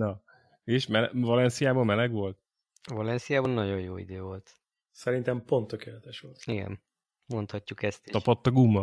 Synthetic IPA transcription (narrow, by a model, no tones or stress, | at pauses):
nɒ | eːʃmɛlvɒlɛnsijaːbɒmmɛlɛɡʋo̞lt̪ | vɒlɛnsijaːbɒnːɒɟo̞jjoːḭd̪øːvo̞lt̪ | sɛɾint̪ɛmpo̞nt̪ːøkeːlɛt̪ɛʃʋo̞lt̪iɡɛ̰n | mo̞nt̪hɒcːukɛst̪iɒpot̪ːɒɡumːɒ